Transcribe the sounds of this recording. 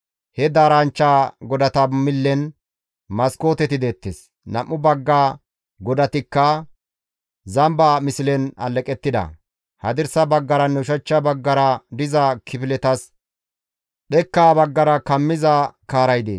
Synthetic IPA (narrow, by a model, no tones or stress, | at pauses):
hɛd̪aːɾant͡ʃːaːɡɔd̪ɐt̪ɐmɪlːɛn | mɐsko̞ːt̪ɛt̪ɪd̪eːt̪ːes | nɐmʔːʊbɐɡːaː | ɡɔd̪ɐt̪ɪkːɐ | zɐmbaːmɪsɪlɛnɐ̰lːɛkʼɛt̪ːɪd̪ɐ̰ | hɐd̪ɪɾsɐbɐɡːɐɾɐnːɛʊʃɐt͡ʃːɐbɐɡːɐɾɐd̪ɪzɐkʰɪpɪlɛt̪ɐs | ɗɛkːaːbɐɡːɐɾɐkɐmːɪzɐkaːɾɐjd̪ḛːs